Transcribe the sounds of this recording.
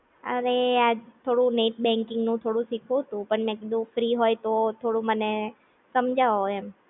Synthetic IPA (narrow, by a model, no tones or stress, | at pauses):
ə̰ɾead͡ʒt̪ʰoɽũneʈ̚bɛ̃ŋkɪŋɡnũt̪ʰoɽũsikʰũɦt̪ũpəɳmɛ̃kid̪ũfɾiɦojt̪ot̪ʰoɽũməne | səmd͡ʒʱaʋoɛm